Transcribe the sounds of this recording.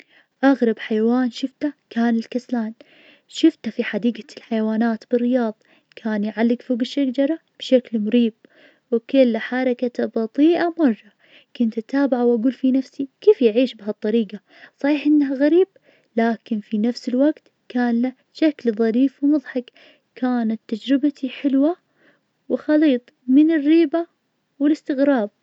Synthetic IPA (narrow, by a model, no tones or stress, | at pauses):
ʔaɣɾˤɑbħajawaːnʃɪft̪akaːnɪlkaslaːn | ʃɪft̪afiħad̪iːɡalħajwaːnaːt̪b̥ɪrːɪjɑːðˤ | kʰaːnjʕalːɪɡfoːɡɪʃːaɡd͡ʒɑɾˤɑb̥ʃaklmʊɾiːb̚ | wkʊlːħɑɾˤɑkat̪abɑt̪ˤiːʔamɑrˤːɑ | kʊnt̪ʔat̪aːbaʕawʔaɡuːlfinafsikeːfjʕiːʃbɪɦat̪ˤːɑɾiːɡa | sˤɑħiːħʔɪnːaɦaɣaɾiːb̥̚ | laːkɪnfinafsɪlwaɡt̪ | kaːnla | ʃaklðˤɑɾiːfwmʊðˤħɑk | kaːnat̪ːad͡ʒɾɪbat̪ʰiħɪlwa | wɪxɑliːt̪ˤmɪnɪrːiːba | wɪlɪst̪ɪɣɾɑːb̚